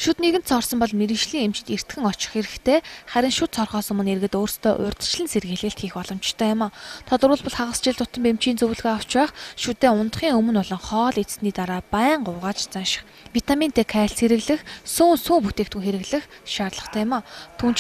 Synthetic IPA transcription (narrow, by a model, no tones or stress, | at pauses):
ʃut̪neɣɘnt̪sɔrsɞ̆mpɔɮmeɾɘ̆ʃɮiːŋemt͡ɕt̪er̥t̪ɡɘ̆ŋɔt͡ɕɪ̆χxeɾɘ̆xt̪ʰeːχæɾʲɪ̆ŋʃut̪sɔrχɔːsɵmɵ̆nerɣɘ̆t̪oːrst̪ʰœːʔʊrt̪̆t͡ɕɮɘ̆nserɣɘːɮɘ̆ɬt̪xiːxpɔɮɞ̆mt͡ɕt̪ʰœːjʊmaːt̪ʰɔt̪ɞ̆rʊ̆ːɮpɔ̆ɮχaʁə̆st͡ɕɪɮt̪ʊt̪ə̆mpem̥t͡ɕiːnt͡sɵwɮɣoːaw̥t͡ɕpæːχʃut̪eːʊnt̪̆χiːŋɵmɵ̆nʊɮɞ̆ŋχɔːɮet͡ssniːt̪aɾaːpæːɴɢʊːʁaːt͡ɕt͡sanʃɪ̥̆χ | wit̪amʲint̪eːkʰæːɬseɾɘ̆ɣɮɘ̆xsuːŋsuːŋput̪eːkt̪ʰŭŋxeɾɘ̆ɣɮɘ̆xʃaːrɮə̆χt̪ʰæːjʊmaːt̪ʰuːnt͡ɕ